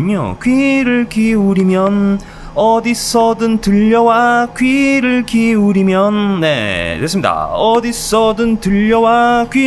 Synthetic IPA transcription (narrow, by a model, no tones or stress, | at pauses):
ɲo̰kɥiɾɯɭkiuɾimjʌn | ʌdis͈ʰʌdɯntɯʎːʌwakɥiɾɯɭkiuɾimjʌnne̞̰twes͈ɯmɲida̰ʌdis͈ʌdɯntɯʎːʌwakɥi